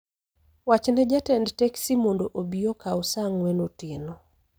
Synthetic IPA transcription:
wat͡ʃnɛd͡ʒatɛndtɛksimondoʔobiokaʊsaŋwɛnotɪno

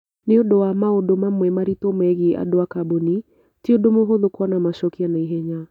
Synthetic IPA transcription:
neodowamaodomamwɛmaɾitomɛɣiʔa̰doakaboni | tiodomoɦoðokwɔnamaʃɔkianaiɦɛɲa

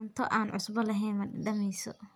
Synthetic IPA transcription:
nt̪ʰɔʔaːnʕʊsbɐlɐɦɛjnmɐɖɪɖɐmɛjsɔ̰

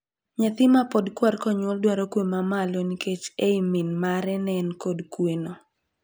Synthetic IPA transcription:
ɲat̪ɪmapɔdkwarkɔɲwɔldwaɾɔkwemamaloniket͡ʃeiminmaɾɛnɛnkodkweno

